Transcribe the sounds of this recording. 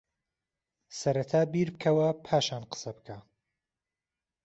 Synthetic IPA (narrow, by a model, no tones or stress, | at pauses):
sɐɾɐt̪ʰaːbiːɾbɨkʰɐwɐpʰaːʃaːnqə̥sɐbɨkʰa